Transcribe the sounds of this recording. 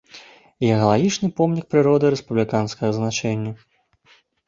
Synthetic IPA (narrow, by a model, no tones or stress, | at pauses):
ijɐɣɐlˠaɣʲit͡ʂnɨpɔmnʲik̚pɾɨɾɔd̪ɨɾɛspublʲikanskɐɣɐznat͡ʂɛnʲːɐ